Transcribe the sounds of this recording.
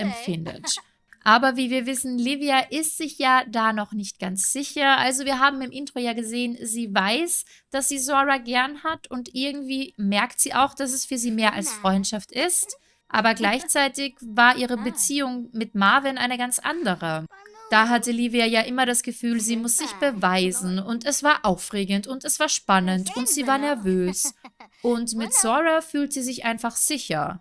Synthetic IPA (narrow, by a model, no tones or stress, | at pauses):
ʔɛmfɪndə̰t | ʔaːbɐviːviːɐvɪsn̩liːviaʔɪstz̥ɪçjaːdaːnɔχnɪçt̚ɡ̥ant͡sz̥ɪçɐʔa̰lzoviːɐɦaːbm̩ɪmʔɪntʁ̥ojaːɡəzeːənziːvaɪs | d̥asz̥iːzoːʁaɡɛɐnhatʰʊntʔɪɐɡŋ̩tv̥iːmɛɐktz̥iːʔa̰ʊxd̥as̬ɛsfyːɐziːmeːɐʔa̰lsfʁ̥ɔʏntʃaftɪst | ʔa̰ːbɐɡlaɪçt͡saɪtɪçvaːɐʔiːʁəbət͡siːʊŋmɪtmaɐvɪnʔaɪnəɡant͡sʔa̰ndəʁəd̥aːɦatəliːviajaːʔɪmɐɾasɡ̥əfyːlziːmʊsz̥ɪçb̥əvaɪzn̩ʊntɛsv̥aːɐʔaʊfʁeːɡn̩tʊntɛsv̥aːɐʃpanəntʰʊntz̥iːvaːɐnɛɐvøːsʔʊntmɪtz̥ɔʁafyːltz̥iːzɪçʔaɪnfaχz̥ɪçɐ